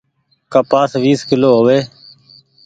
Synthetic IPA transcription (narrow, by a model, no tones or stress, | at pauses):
kəpaːsʋiːskɪloːɦoːʋeː